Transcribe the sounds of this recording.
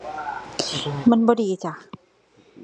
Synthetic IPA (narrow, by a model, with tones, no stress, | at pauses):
ma˧˥˨nbɔː˧diː˨˩˨t͡ɕa˧˩